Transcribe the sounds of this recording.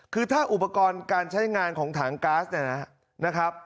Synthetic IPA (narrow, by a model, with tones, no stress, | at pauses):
kʰɯː˧t̪ʰaː˥˩ʔu˨˩pa˧kɔː˧nkaː˧nt͡ɕʰa˦˥jŋaː˧nkʰɔː˩˦ŋt̪ʰaː˩˦ŋkaː˦˥sni˥˩na˦˥ | na˦˥kʰɾa˦˥p̚